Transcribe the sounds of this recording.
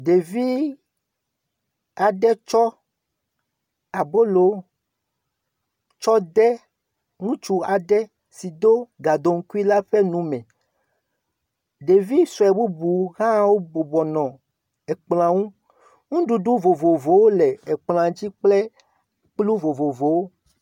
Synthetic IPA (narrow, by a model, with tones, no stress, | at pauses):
ɖe˨vi˦ | a˨ɖɛ˦t͡ʃɔ˦ | a˨bo˦lo˨ | t͡ʃɔ˦d̪ɛ˦ | ŋũ˦t͡ʃu˨a˨ɖɛ˦ | si˨d̪o˦ɡa˨d̪o˨ŋ̩˦ku˦i˦la˦ɸe˦nũ˨mɛ̃˨ | ɖe˨vi˦sɔ˨ɛ˨bu˦bu˨ɣã˦wo˦bo˨bɔ˨nɔ̃˨ | ɛ˨k͡pl̃ã˨ŋũ˦ | ŋũ˦ɖu˨ɖu˦vo˨vo˨vo˨wo˦lɛ˨ɛ˨k͡pl̃ã˨d͡ʑi˦k͡ple˦ | k͡plu˦vo˨vo˨vo˨wo˦